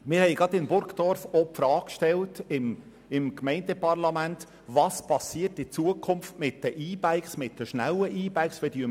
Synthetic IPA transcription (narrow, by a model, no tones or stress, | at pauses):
mɪɾhɛɪɡɑd̪ɪmbʊɾkd̥̪ɔrfopfɾɑːkkʃtɛltɪm | ɪmkmɛɪndəpɑrlɑmænt | vɑːspɑsiərtɪt͡suəkʰʊmftmɪt̚d̥əʔiːbæɪksmɪt̚d̥əʃnæləʔiːbæɪksɛdyə